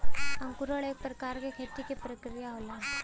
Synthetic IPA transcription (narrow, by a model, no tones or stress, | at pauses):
ɐmkʊɾəɭeːk̚pɾəkaːɾkekʰeːt̪ikepɾəkɾijaɦola